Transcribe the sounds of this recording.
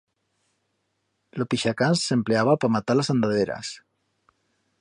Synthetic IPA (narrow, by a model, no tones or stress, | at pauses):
lopiʃakanssempleaβapamat̪alasand̪aðeɾa̰s